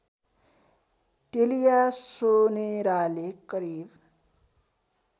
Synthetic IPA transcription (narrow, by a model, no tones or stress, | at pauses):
ʈelijasoneɾalekʌɾib